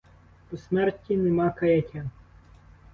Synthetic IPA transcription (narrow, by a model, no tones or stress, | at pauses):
pɔsmɛrtʲːinɛmɑkɐjɐtʲa